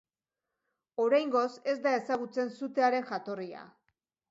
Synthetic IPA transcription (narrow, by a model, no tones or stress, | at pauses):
o̞ɾajŋɡo̞se̞zd̪aesaɣ̞ut͡se̞nsut̪e̞aɾe̞nʝat̪o̞ria̰